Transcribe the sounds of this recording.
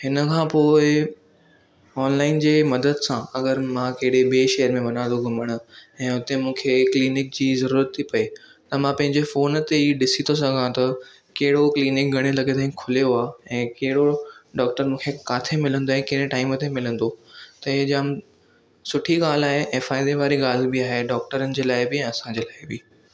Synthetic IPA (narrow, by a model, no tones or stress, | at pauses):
ɦɪnəkʰãːpoːɪ | ɔːnlaːɪnd͡ʑeːmɐd̪əd̪sãɐɡəɾmãkɐɦɪɽebeʃɛjəɾmẽʋɐnãːnd̪oɡʱʊməɽ̃ʊ̆ɛ̃ːʊt̪emũːkʰekliːnɪk̚d͡ʑiːzɐɾuːɾət̪ʰːipɐe | t̪ɐmãpɐ̃ɦɪ̃ɲd͡ʑefoːnt̪eiːɗɪsit̪ʰos̬ɐɡʱãt̪ɐ | kɐɦɪɽokliːnɪk̚ɡʱɐɽ̃elɐɡet̪ʰaːĩkʰʊlijoaːɛ̃ːkɐɦɪɽoɖɔːk̚ʈəɾmũːkʰekaːt̪ʰemɪlə̃nd̪oɛ̃ːkɐɦɪɽẽʈaːɪmət̪emɪlə̃nd̪ot̪ɐɪd͡ʑəm | sʊʈʰiɡaːl̤aːɦeʔeːfaːɪd̪eʋaːɾiɡaːl̤bɪaːɦeɖɔːk̚ʈəɾənɪ̆d͡ʑeːlaːɪbɪɛ̃ːɐsãd͡ʑeːlaːɪbɪː